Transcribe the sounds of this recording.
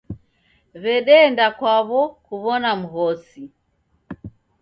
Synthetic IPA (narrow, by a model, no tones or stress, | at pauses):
βɛɗɛːndakwaβɔkuβɔnam̩ɦɔsi